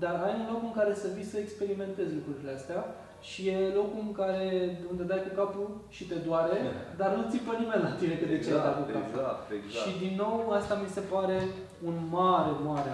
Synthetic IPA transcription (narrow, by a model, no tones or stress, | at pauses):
d̪arajunlo̞kɨŋkaɾe̞səvisəekspe̞ɾime̞nt̪e̞zlukɾuɾileast̪ea | ʃije̞lo̞kuɨŋkaɾe̞d̪und̪e̞d̪ajkukapuʃit̪e̞d̪oaɾed̪arnut̪sipənime̞nlat̪ine̞kəd̪eed̪ajkukapaʃid̪inːo̞wast̪amise̞paɾe̞ | unmaɾemaɾe